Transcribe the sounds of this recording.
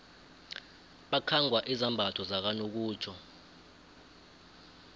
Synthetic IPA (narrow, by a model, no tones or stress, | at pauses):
ɓakʰaŋɡʱwaʔizambʱatʰɔzak̬anok̬uːt͡ʃʰɔ